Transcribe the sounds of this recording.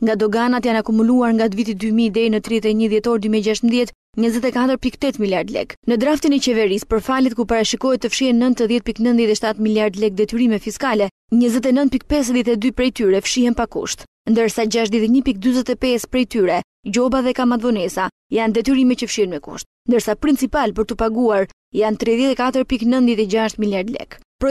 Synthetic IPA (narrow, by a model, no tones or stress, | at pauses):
ŋɡad̪ɔɡanat̪janakumuluaɾŋɡad̪vit̪̬id̪ymid̪ɛjnət̪ɾiɛt̪ɛɲəðjɛt̪ɔɾd̪ymiɛɟaʃ̬t̪mðjɛt̪ | ɲəzɛt̪ɛkat̪əɾpikt̪ɛt̪miljaɾd̪lɛ̰knəd̪ɾaft̪inɛt͡ɕɛvɛɾispəɾfalit̪̚kupaɾaʃikɔhɛt̪ːəfʃihɛnːənt̪əðjɛt̪̚piknənðjɛt̪ɛʃt̪at̪miljaɾd̪lɛk̚d̪ɛt̪yɾimɛfiskalɛ | ɲəzɛt̪ɛnənt̪̚pik̚pɛs̬ðjɛt̪ɛd̪ypɾɛjt̪yɾɛfʃihɛnpakṵʃt̪ | nd̪əɾsad͡ʑaʃt̪ðɛt̪ɛɲəpik̚d̪yzɛt̪ɛpɛspɾɛjt̪yɾɛ | d͡ʑɔbaðɛkamad̪vɔnɛsa | jand̪ɛt̪yɾimɛtcəfʃihɛnmɛkṵʃt̪̚nd̪əɾsapɾint͡sipalpəɾt̪upaɡuaɾ | jant̪ɾɛðjɛt̪ɛkat̪əɾpiknənðjɛt̪ɛd͡ʑaʃt̪miljaɾd̪lɛ̰k | pɾɔ